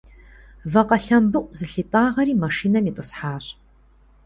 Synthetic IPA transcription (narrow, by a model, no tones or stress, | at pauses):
vɐqɐɬɐmbɨʔʷʼzɨɬitʼaːʁɐɾiːmɐʂiːnɐmitʼəsħaːɕ